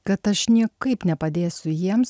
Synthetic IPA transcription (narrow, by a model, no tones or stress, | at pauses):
kɐt̪ɐʃnʲiɛkɐɪpnʲɛpɐd̪ʲeːsʲʊjiɛms